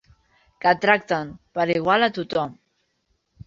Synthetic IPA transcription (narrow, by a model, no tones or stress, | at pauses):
kat̪ɾak̚t̪anpaɾiɣwalat̪ut̪ɔm